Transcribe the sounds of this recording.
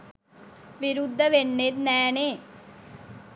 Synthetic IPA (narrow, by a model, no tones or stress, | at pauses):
ʋɪɾʊd̪ːəʋeɳːeːt̪nɛːneː